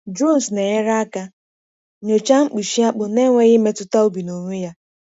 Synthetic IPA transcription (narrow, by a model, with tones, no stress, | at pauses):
d͡ʒo˦˨n˨sne˨ɲe˦ɾa˦a˦ka˦ | ɲo˨t͡ʃa˦ŋ͡m̩˦k͡pi˨ʃi˦a˦k͡pʊ˨ne˦ŋʷe˦ɣɪ˦me˦tʊ˦ta˦o˦bi˨no˨ɲʷʊ˦ja˦